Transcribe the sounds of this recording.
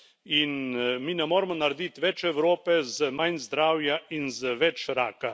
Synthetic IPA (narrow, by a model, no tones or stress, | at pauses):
inmiːnɛmoːɾmɔnaɾɛd̪it̪ʋɛt͡ʃɛwɾoːpɛzəmanzd̪ɾaːwjainzəʋɛt͡ʃɾaːka